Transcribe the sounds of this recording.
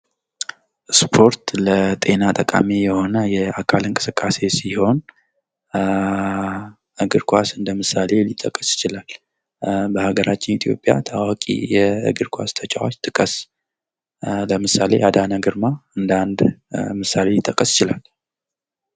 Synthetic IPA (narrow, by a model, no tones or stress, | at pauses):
spʰo̞ɾt̪lət̪ʼe̞nat̪ʼəkʼa̰mijɛho̞nəjɛakʰalɨŋkʼɨsɨkʼːase̞siho̞n | ʔɨɡɨɾkʰʷasɨnd̪əmɨsale̞lit̪ʼːəkʼːəsɪ̥t͡ʃɪlal | bəhaɡəɾʔat͡ʃːɪnit̪ʰijo̞̰pʼːja̰t̪ʰawakʼḭjɛɨ̰ɡɨɾkʰʷast̪ʰət͡ʃʼawot͡ʃːt̪ʼɨkʼəs | ləmɨsale̞̰ʔad̪anaɡɨɾmaɨnd̪and̪mɨsale̞lit̪ʼəkʼːəsjɪt͡ʃɪlal